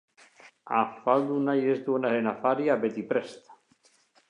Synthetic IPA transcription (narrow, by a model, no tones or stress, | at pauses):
a̰fald̪unajezd̪uenaenafaɾjabet̪ipɾest̪